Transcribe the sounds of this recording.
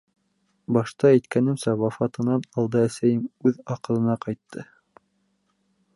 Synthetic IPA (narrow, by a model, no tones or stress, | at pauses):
bɑʃt̪ɑæjt̪kænɘ̆msæwɑfɑt̪ɤ̆nɑnɑlˠd̪ɤæsæjɘmʉðɑqɤ̆lˠɤ̆nɑqɑjt̪ʰːɤ